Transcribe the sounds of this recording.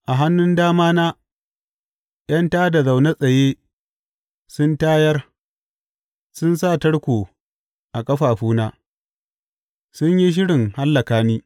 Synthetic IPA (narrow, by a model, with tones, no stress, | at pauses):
ʔa˨ɦa˦nːʊ˦ndaː˦maː˦naː˦ | j̰ɐ˦ntaː˦da˨za˨wna˦sʼɐ˨jeː˦ | sʊ˦ntaː˦jɐ˦r | sʊ˦nsa˦˨tɐ˦ɽkʷoː˨ | ʔa˨kʼɐ˦ɸaː˨ɸuː˦naː˦ | sʊ˦ɲji˦ʃ̬ɪ˦ɽɪ˨ŋha˦lːɐ˨kaː˦niː˦